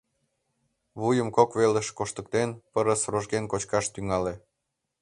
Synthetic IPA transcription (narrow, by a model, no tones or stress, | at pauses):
βujəmkokβeləʃkoʃt̪ək̚t̪enpəɾəsroʒɣenkot͡ɕkɑʃt̪yŋɑle